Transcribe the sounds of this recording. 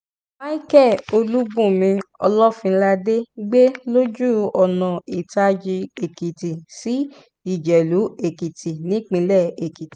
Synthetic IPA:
ma˦i˦kɛ˦˨o˧lu˦bũ˦˨mĩ˧ɔ˧lɔ˦fĩ˧˦la˧de˦ɡ͡be˦lo˦d͡ʒu˦˨ɔ˨nã˨i˨ta˧d͡ʒi˧e˨ki˨ti˨si˨˦ | i˦˨d͡ʒɛ˨lu˨˦e˨ki˨tʰi˨nĩ˨˦k͡pĩ˧˦lɛ˦˨e˨ki˨ti˨

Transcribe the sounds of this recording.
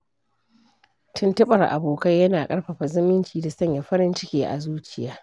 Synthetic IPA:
tʰʊ˦ntɐ˦ɓɐ˨rʔa̰˨boː˨kɐ˦jːɐ˦naː˨kʼɐ˦ɽɸɐ˨ɸa˨zɪ˦mɪ˦nt͡ʃiː˨da˨sɐ˦ɲja˨ɸɐ˦ɾɪ˦nt͡ʃɪ˦kʲeː˦ʔa̰˨zuː˦t͡ʃɪ˦˨jaː˦

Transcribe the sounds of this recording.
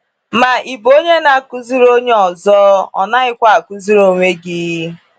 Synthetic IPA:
ma˨ʔi˨bo˦ɲe˦na˨ku˦zi˦ɾo˦ɲe˦ɔ˨zɔː˦ɔ̰˨na˦ɪ˦kʷa˦a˨ku˦zi˦ɾo˨ŋʷe˦ɡi˦i˦

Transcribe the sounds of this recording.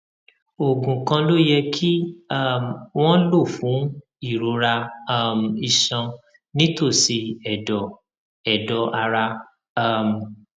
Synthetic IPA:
o˨ɡũ˨kã˧lo˦jɛ˧kʰi˦a˦˨m˨w̃ɔ̃˦lo˦˨fũ˨˦ | i˦˨ɾo˧˦ɾa˧˦˨m˨i˧˨ʃã˧ | nĩ˦to˦˨si˧ɛ˨dɔ˨ | ɛ˨dɔ˨ʔa˧ɾa˧˦˨ | m˨

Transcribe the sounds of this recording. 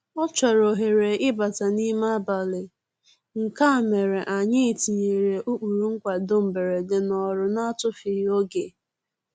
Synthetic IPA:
ɔ˦t͡ʃɔ˨ɾo˨ɦe˨ɾe˨ɪ˦ba˨ta˨ni˦ma˦ba˨lɪ˨ | ŋ̩˨ka˦˨me˨ɾe˨ʔa˨ɲɪ˦˨ti˨ɲe˨ɾe˨ʔu˦k͡pu˨ɾu˦ŋ̩˦kʷa˨dʊ˦m̩˨be˨ɾe˨dɪ˨nɔ˨ɾʊ˨na˦a˦tʊ˦fi˨˦o˦ɡe˨

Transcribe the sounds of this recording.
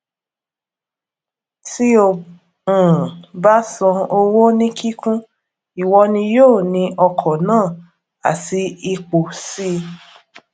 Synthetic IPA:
ti˦o˧˨ | ũ˨ba˦sɔ̃˧o˧wo˦nĩ˦kʰi˦kũ˦ | i˨wɔ˧nĩ˧joː˦˨nĩ˧ʔɔ˧kʰɔ˨nãː˦˨ | a̰˨ti˧˦i˧k͡po˨si˦

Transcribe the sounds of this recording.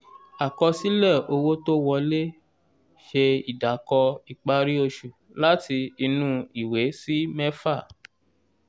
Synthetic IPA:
a˨kɔ˧si˦lɛ˦˨o˧wo˦to˦wɔ˧le˦ | ʃe˧i˨da˨kɔ˧i˨k͡pa˧˦ɾi˦o˧ʃu˨ | la˦ti˧i˧nũ˦i˦˨we˨˦si˦mɛ˦fa˦˨

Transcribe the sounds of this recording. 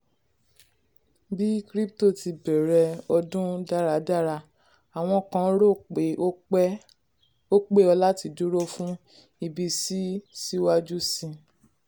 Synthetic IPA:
bi˦kɾi˦pto˦˨ti˧bɛ˨ɾɛ˧ɔ˧dũ˦da˦˨ɾa˨da˦˨ɾa˧ | a˨w̃ɔ̃˧kã˧˦ɾo˦˨k͡pe˨˦ | o˦k͡pe˦ɔ˧la˦ti˧du˦ɾo˦fũ˦ | i˧bi˧si˦si˦wa˦d͡ʒu˦sĩ˧

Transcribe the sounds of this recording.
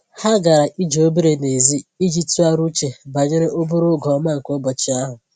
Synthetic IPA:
ha˦ɡa˨ɾa˨ʔi˦d͡ʒe˨o˦be˦ɾe˨ne˨zi˦i˦d͡ʒi˦tu˦a˦ɾu˦t͡ʃe˨ba˨ɲe˦ɾe˦ʔo˦bʊ˦ɾʊ˦ɡɔ˨ɔ˦ma˦˨ŋ̩˨ko˦bɔ˨t͡ʃɪ˦a˦ɦʊ˨

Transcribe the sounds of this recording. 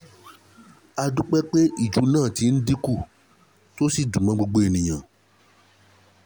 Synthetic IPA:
a˧dũ˦k͡pɛ˦k͡pe˦ʔi˦˨d͡ʒu˨˦nãː˦˨ti˧˦˧n̩˦di˦ku˦˨ | to˦si˦˨dũ˨mã˨˧ɡ͡bo˧ɡ͡bo˧e˨nĩ˨j̃ã˨

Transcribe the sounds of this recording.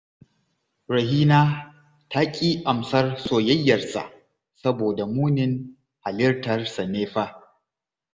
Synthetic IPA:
ɾɐ˨ɦiː˦naː˦ | ta˦kʲʼiː˦ʔa˨msɐ˦rsoː˨jɐ˦jːɐ˨rsa̰˨ʔ | sɐ˦boː˨da˨muː˦nɪ˦ŋ | ha˨lɪ˦rtɐ˨rsa˨neː˦ɸaː˦

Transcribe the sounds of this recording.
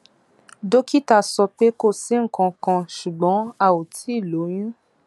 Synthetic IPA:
do˦ki˦ta˨sɔ˧pe˦ko˦˨sĩ˦ŋ̩˨kɔ̃˨kɔ̃˨ʃu˨ɡ͡bɔ̃˨˦a˨wo˨tʰi˦˨lo˨˦j̃ũ˦

